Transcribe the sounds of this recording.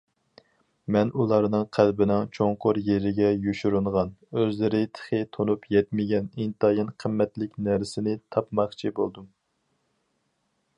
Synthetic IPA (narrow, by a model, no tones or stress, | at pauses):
mɛnulˠɑɾnɨŋqʰælbɪnɪŋt͡ʃʰoŋqʊɾjeɾɪɡʲɛjuʃuɾuɴʁɑnøzlɪɾɪt̪ʰə̥χɨt̪ʰonupjɛt̪mɪɡʲɛnint̪ɑjɑnqʰəmːɛt̪lɪkʲnæɾsɪnɪt̪ʰɑpmɑχt͡ʃʰibolˠd̪um